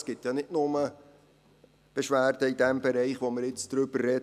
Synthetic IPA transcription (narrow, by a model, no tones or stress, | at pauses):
sɡ̥ɪtjɑnɪtnʊmə | b̥eʃʋæːrd̥əidɛmb̥ɛɾɛɪχʋoməɾɪt͡sd̥ɾʏb̥ərːɛ